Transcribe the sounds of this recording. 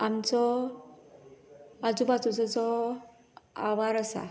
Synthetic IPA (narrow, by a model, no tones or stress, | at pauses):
amt͡sɔ | ad͡zubat͡sut͡sɔt͡sɔ | a̰ʋaɾasa̰